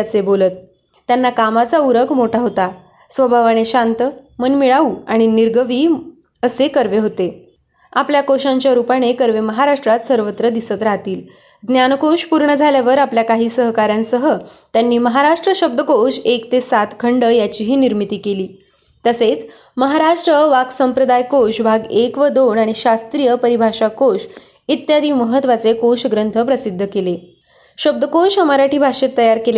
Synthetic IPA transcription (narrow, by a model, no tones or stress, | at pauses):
at͡sebolət̪̚ː | janːakamat͡sauɾəkʰmoʈʰaɦot̪a | sʋəbʱaʋañeɕant̪əmənmiɭauːaɽ̃iniɾɡəʋiː | əsekəɾʋeɦot̪e | apljakoɕãɲt͡ɕjaɾupaɽ̃ekəɾʋeməɦaɾaʂʈɾat̪səɾʋət̪ɾəd̪isət̪ɾat̪iːl | ɡnjankoɕpuɾɳəd͡zʱaljaʋəɾapljakaɦiːsəɦkaɾjãnsəɦət̪janːiːməɦaɾaʂʈɾəɕəb̚d̪əkoʂekt̪esat̪kʰəɳɖəjat͡ɕiːɦiːniɾmit̪iːkeliː | t̪əset͡s | məɦaɾaʂʈɾəʋaɡsəmpɾəd̪ajkoʂbʱaɡekʋəd̪oɳaɽ̃iɕast̪ɾijəpəɾibʱaʂakoʂ | it̪jad̪ʱiːməɦət̪ʋat͡sekoʂɡɾənt̪ʰəpɾəsid̪ʱːəkele | ɕəb̚d̪əkoʂəmaɾaʈʰiːbʱaʂet̪ːəjaɾkele